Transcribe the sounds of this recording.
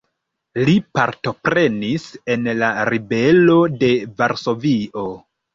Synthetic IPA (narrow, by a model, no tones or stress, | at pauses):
lipaɾto̞pɾe̞nise̞nlaɾibe̞lo̞de̞vaɾso̞vio̞